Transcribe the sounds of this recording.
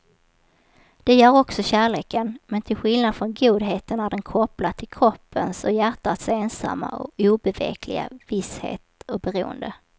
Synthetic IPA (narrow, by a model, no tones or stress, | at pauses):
d̪̥ɛjœːɾɔksɔɕæːɭeːkənmɛnt̪ʰɪlɧɪlnad̪fɾɔnɡuːd̪ɦeːt̪ənæɖɛnkʰɔpːlat̪ʰːɪlkʰɾɔpːənsɔjæʈːat̪seːnsa̰mːa̰ɔ̰uːbɛvḛːkʰlɪ̰ɡa̰vɪshḛːt̪ɔbɛɾṵːə̰nd̪ə